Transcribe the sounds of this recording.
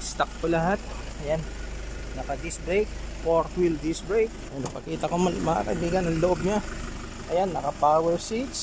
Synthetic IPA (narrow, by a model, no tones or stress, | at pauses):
st̪ɐk̚polɐɦat̪̚ | ɐjanː | ɐkɐd̪ɪsbɹejk̚poɾt̪wɪld̪ɪsbɹejk̚ɐjanɐpɐkiːt̪ɐkommɐa̰kɐ̰biːɡɐnɐŋloʔob̚ɲa | ʔɐjanːɐkɐpawɛɹsit̪s